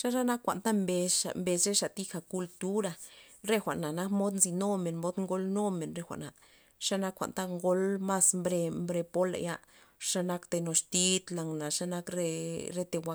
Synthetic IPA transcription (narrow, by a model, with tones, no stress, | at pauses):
ʂa˦ɾa˦na˦kːʷa̰˨nt̪a˦mbe˧a̰˨mbe˧sɾe˦ʂa˨t̪i˧xa˨ku˧lt̪u˦ɾa˧˨ɾe˦xʷa̰˨ʔna˨na˦kmo˦d̪nzi˧no˦me˨nmo˦d̪ŋɡo˦lno˦me˨nɾe˧xʷa̰˨ʔna˨ | ʂa˦na˦kːʷa̰˨nt̪a˦ŋɡo˦lma˦smbɾe˧mbɾe˧po˦la̰˨ja˦ | ʂa˦na˦kt̪e˧no˨st̪i˧˦t̪la˨ŋna˨ʂa˦na˦kɾe˦ɾe˦t̪e˧wa˧